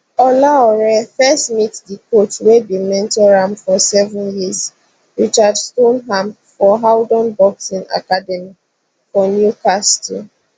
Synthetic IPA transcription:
ɔlaɔɹɛfɛstmitdikotwedimɛ̃ntɔɹãmfɔsɛvə̃njiz | ɹit͡ʃadstõnɦãmp | fɔɦawdɔ̃nbɔksĩna̰kadɛmi | fɔnjukastḭ

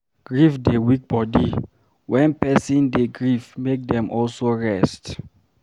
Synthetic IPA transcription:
ɡ̥ɹifdewik̚bɔdi | wɛ̃npɛsĩndeɡɹifmek̚dɛ̃mʔɔlsoɹɛst

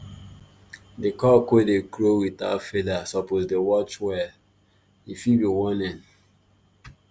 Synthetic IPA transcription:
dekɔkwedekɾowita̰fedasɔposdewɔt͡ʃwɛl | ifibiwɔ̃nɛ̃n

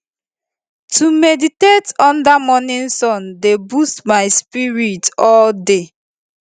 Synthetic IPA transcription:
tʰumeditetɔ̃ndamɔnĩnsɔ̃ndebustmaɪspiɹitɔlde

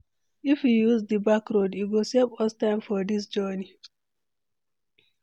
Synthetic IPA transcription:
ifjujuzdəbakɹodiwilsevɔstãɪmfɔdis̬d͡ʒɔni

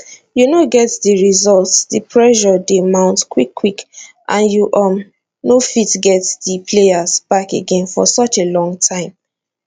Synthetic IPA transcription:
junoɡɛtdiɹizɔltsdipʰɹɛʃɔdemãʊ̃ntkwikʰːwikʔãnjuʔʌm | nofitɡɛtdipʰleasb̥akḛɡẽnfɔ̰sɔt͡ʃelɔ̃ŋtʰãɪ̃m

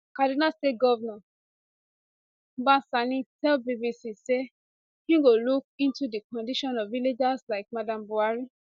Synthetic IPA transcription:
kadinasteɡɔvna | bãsanĩtɛlbivisise | hĩɡoluk̚ĩntudikɔ̃ndiʃɔ̃nɔvviled͡ʒaslaɪk̚madãmbuaɹi

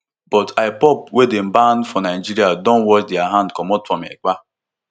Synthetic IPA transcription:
b̥ɔtʰaɪbɔp̚wedem̩banfɔnaɪd͡ʒiɾiadɔ̃nwɔt͡ʃdɪaɦãndkɔmɔtfɔ̃mek͡pa

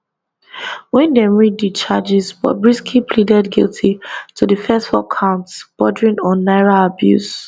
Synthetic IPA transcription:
wɛ̃ndemiddit͡ʃʰad͡ʒizbɔ̰t̚bɹiskʰipʰlidɛdɡḭltʰitʰudəfɛstfɔkʰãʊ̃ntsb̥ɔdɹĩnɔ̃nːaɪɹaabjṵs

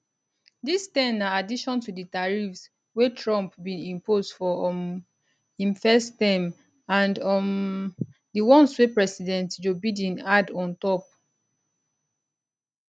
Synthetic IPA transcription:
distɛ̃naadiʃɔ̃ntuditaɹifs | wetʰɹɔ̃mpbĩnĩmposdfɔm | ĩmfɛstɛ̃m | ãndɔm | diwɔ̃nswepɹɛsidɛ̃ntd͡ʒobidĩnadɔ̃ntɔp̚

